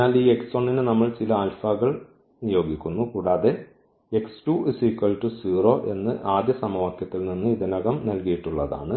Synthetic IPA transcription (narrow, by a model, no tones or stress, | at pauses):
aːliːeksoɳːinɨnɐmːɐɭt͡ɕilɐalfɐɣɐɭ | nijo̞ːɡikʲːunːukuːɽaːðe | eksʈusikːɐlʈusiːro̞ːʔe̞nːɨʔaːd̪jɐsɐmɐʋɐkjɐt̪ːilninːɨiðinɐɣɐmnɐlkijiʈːuɭːɐða̰ːɳɨ